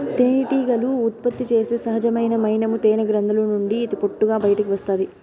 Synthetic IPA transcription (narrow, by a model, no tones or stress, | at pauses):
t̪eːniʈiːɡɐluːt̪̚pɐt̪ːit͡ʃe̞ːsesɐɦɐd͡ʒɐmɐjnɐmɐjnɐmut̪eːnɐɡɾɐnd̪ɐlunuɳɖiːt̪ipoʈːuɡaːbɐjɐʈɐkiʋɐst̪aːd̪i